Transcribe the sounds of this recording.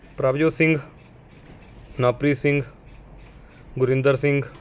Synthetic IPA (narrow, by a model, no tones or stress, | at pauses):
pɾaːbd͡ʒoːsɪ̃ŋɡ | naːpɾiːsɪ̃ŋɡ | ɡʊɾɪ̃nd̪əɾsɪ̃ŋɡ